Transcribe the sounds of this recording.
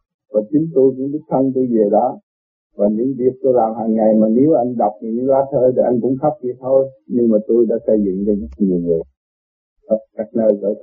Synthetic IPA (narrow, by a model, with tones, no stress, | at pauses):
vaː˨˩t͡ɕi˨˦nt̪u˧jkʊ̰˧˥ŋ͡mɗɨ˦˥k̚t̪ʰə˧nt̪̬u˧jveː˨˩ɗɔ˨˦ | vaː˨˩ɲɨ̰˧˥ŋvi˨˩ək̚t̪o˧jlaː˨˩mɦaː˨˩ŋŋa˨˩jmaː˨˩ne˨˦wʔa˧jŋ̟ɗa˨˩wk͡p̚nɨ̰˧˥˦ŋɨ˧˦ŋlaː˨˧t̪ʰəː˧ɗ̪i˨˩ʔa˧jŋ̟kʊ̰˧˥ŋ͡mxa˦˥p̚zi˨˩t̪ʰo˧jɲɨ˧ŋmaː˨˩t̪o˧jɗa̰ː˧˥sə˧jzɨ̰˧˨ŋt͡ɕɔ˧zə˦˥k̚ɲi˨˩əwŋɨ˨˩ə | t̪a˨˩kaː˦˥k̚nəː˧˩jɣə̰ː˧˩j